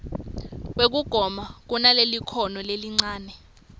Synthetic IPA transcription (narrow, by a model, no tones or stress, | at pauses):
k̬wek̬uɡ̥ʱɔmak̬unalelikʰɔnɔleliŋ͡ǀaːnɛ